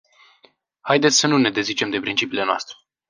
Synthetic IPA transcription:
hajd̪e̞t̪sʲsənune̞d̪e̞zit͡ʃe̞md̪e̞pɾint͡ʃipiːle̞noa̰st̪ɾe

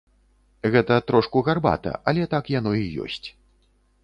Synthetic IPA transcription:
ɣɛt̪ɐt̪ɾɔʂkuɣarba̰t̪ɐ̰ʔɐlʲɛt̪akjan̪ɔijɔ̰sʲt͡sʲ

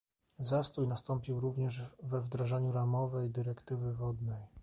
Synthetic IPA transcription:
zast̪ujnast̪ɔmpʲiwɾuvɲɛʐvɛvd̪ɾaʐaɲuɾamɔvɛjd̪ɘɾɛkt̪ɘvɘvɔd̪nɛj

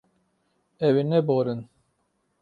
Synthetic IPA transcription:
ɛwenɛboɾɨn

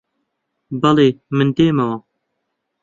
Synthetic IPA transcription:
bɐleːmɨnd̪eːmɐwɑ

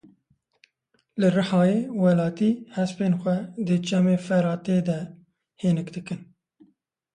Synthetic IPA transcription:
lɨrɨħɑːjeːwɛlɑːt̪iːhɛspeːnxʷɛd̪ɨt͡ʃɛmeːfɛɾɑːt̪eːd̪ɛ | heːnɨkd̪ɨkɨn

